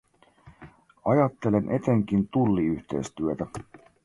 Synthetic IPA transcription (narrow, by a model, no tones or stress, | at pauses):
ɑjɑt̪ːe̞le̞nʔe̞t̪e̞ŋk̟int̪ulːiyht̪ejst̪yøt̪æ